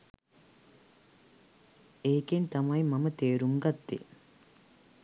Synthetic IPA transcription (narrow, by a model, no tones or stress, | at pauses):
eːkent̪ɐmɐjmɐmət̪eːɾuŋɡɐt̪ːḛ